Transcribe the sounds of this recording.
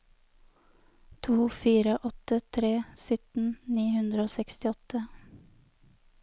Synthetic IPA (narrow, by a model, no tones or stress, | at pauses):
t̪ʰuːfiːɾəʔɔt̪ət̪ʰɾeːsʏt̪n̩niːhʉnd̪ɾəoːsɛkst̪ɪɔt̪ə